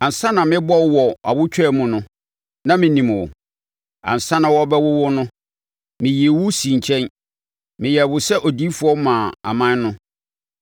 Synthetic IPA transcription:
ã˨n˨sã˦nã˨mɪ̃˦bɔ˦wwɔ˨a̰˨bʊ˦t͡ɕʰᶣɛ˦˨mũ˨nʊ̃˦ | nã˦mɪ̃˨nĩ˨mwʊ̰˨ | a̰˨n̩˨sã˦nã˨wɔ˦bɛ˦wʊ˦wʊ˦nʊ̃˦ | mɪ̃˨ji˨e˨wʊ˦sĩ˨ɲ˨t͡ɕʰɛ̃˦n | mɪ̃˨jɛ˨wʊ˨sɛ˦ʔɔ˨di˦fʊ˨˦ɔ˦mãː˨a̰˨mã˦nnʊ̃˦

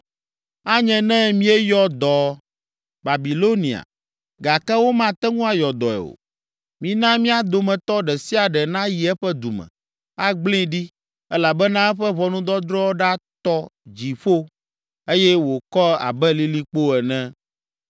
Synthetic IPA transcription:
a˦ɲɛ̃˨nɛ̃˦mĩ˦ɛ˦jɔ˦d̪ɔ˨ | ba˨bi˨lo˦nĩ˨a̰˨ | ɡa˨kɛ˦wo˦mã˦t̪ɛ˦ŋũ˦a˦jɔ˨d̪ɔ˨ɛ̰˨o̰˨ | mĩ˨nã˦mĩ˦a˦˨d̪o˨mɛ̃˨t̪ɔ˦ɖɛ˨si˦a˨ɖɛ˨nã˦ji˨ɛ˦ɸɛ˦d̪u˨mɛ̰̃˨ | a˦ɡ͡blĩ˦˨ɖi˦ | ɛ˦la˨bɛ˦nã˦ɛ˦ɸɛ˦βɔ˨nũ˦d̪ɔ˦d̪ɾɔ˦ɖa˦t̪ɔ˦d͡ʑi˨ɸo˦ | e˦jɛ˦wo˨kɔ˦a̰˨bɛ˦li˦li˦k͡po˦ɛ˨nɛ̃˦

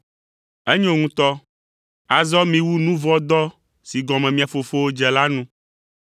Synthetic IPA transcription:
ɛ˦ɲõ˦ŋũ˦t̪ɔ˦ | a˨zɔ˦mĩ˦wu˦nũ˦vɔ˦d̪ɔ˦ | si˨ɡɔ˨mɛ̃˨mĩ˦a˨fo˨fo˦wo˦d͡ʒɛ˨la˦nũ˦

